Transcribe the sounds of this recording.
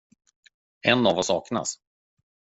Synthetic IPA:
ɛnːavɔsːɑ̰ːkna̰s

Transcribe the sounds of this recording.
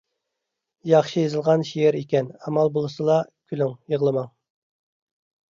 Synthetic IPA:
jɑχʃɨjezɨlˠʁɑnʃijeɾikʲɛnɑmɑlˠbolˠɨsɨlˠɑkʲʰylyŋjəʁlˠɨmɑŋ

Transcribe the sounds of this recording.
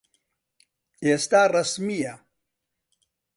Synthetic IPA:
est̪aːrɐsmija

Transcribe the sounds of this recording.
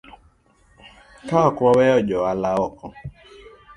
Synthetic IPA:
kaɔkʷɔwɛɔd͡ʒɔalaɔkɔ

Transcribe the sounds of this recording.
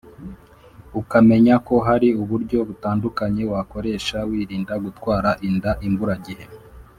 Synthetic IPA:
ukame̞ɲako̞ɦaɾiuβuɾɟo̞βutaːndukaɲe̞wako̞ɾe̞ːʃawiːɾiːndaɡutwaːɾaʔindaʔimbuɾaɟihe

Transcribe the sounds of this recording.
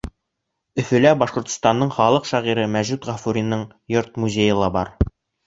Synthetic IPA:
ɵ̆fɵ̆læbɑʃqŏɾt̪ŏ̥st̪ɑnːɤɴχɑlˠɤqʃæʁiɾɤmæʒʉt̪ʁɑfuɾʲinːɤɴ | joɾt̪̚muzʲejɤ̆lˠɑbɑ̰ɾ

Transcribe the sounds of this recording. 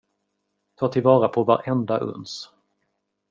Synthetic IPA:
t̪ʰɑːʈ̪ʰɪlvɑːɾapʰɔva̰ɾʔɛnd̪aʔɵ̰ns

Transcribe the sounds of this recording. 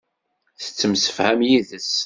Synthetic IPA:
θə̥t͡sːəmsə̥fhæmjiðəs

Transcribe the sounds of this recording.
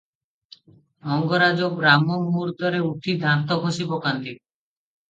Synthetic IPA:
mɔŋɡɔɾad͡ʒokɾamɔŋmuɾd̪ɔɾeuʈʰid̪ʱat̪ɔkosibɔkant̪i

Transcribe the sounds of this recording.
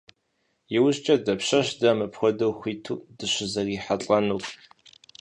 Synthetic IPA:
jɪwʊɕt͡ʃʼɐdɐpɕɐɕdɐmɨpxʷɔdɐwxʷiːtʰṵːdɨɕɪzɐriːħat͡ɬʼɐnuː

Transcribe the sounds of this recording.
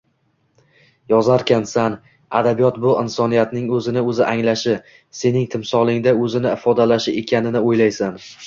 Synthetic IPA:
jɒzaɾkʲʰansan | a̰d̪abijɒt̪bʊɪnsɒnijat̪nɪŋɵzɪnɪɵzɪʔaŋlaʃɪ | se̞nɪŋt̪ʰɪmsɒlˠɪŋd̪aɵzɪnɪɪfɒd̪alaʃɪekʲʰanɪnɪojlajsan

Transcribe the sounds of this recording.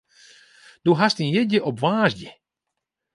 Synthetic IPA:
d̪̥uɦast̪injɛɟʲɛʔɔbvaːʒɟʲɛ

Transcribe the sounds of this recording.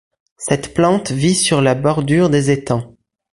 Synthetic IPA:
sɛt̪plɑ̃t̪visyʁlabɔʁd̪yʁd̪ezet̪ɑ̃

